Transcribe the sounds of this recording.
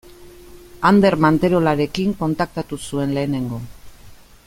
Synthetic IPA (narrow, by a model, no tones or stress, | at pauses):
and̪e̞ɾmant̪e̞ɾo̞laɾe̞kiŋko̞nt̪ak̚t̪at̪usue̞nle̞ːne̞ŋɡo̞